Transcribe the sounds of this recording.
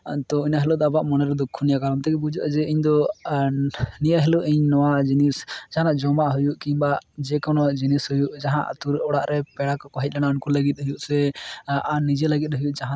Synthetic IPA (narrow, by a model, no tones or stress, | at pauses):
t̪ɔinaɦɛlɔd̪abaʔmɔnɛɾɛd̪ɔkʰːunijakaɾɔnt̪ɛkɛbud͡ʒuʔad͡ʒɛiɲd̪ɔ | nijaɦɛluʔiɲnɔwad͡ʒinisd͡ʒaɦanaʔd͡ʒɔmaʔɦujuʔkiɲbaʔd͡ʒɛkɔnɔd͡ʒinishujuʔd͡ʒaɦã̰ʔt̪uɾʔɔɽaʔɾɛpɛɽakɔkɔɦic̪̚ˀlanaunkɔləɡit̪̚ɦujuʔsɛanid͡ʒɛləɡit̪̚ɦujuʔd͡ʒaɦã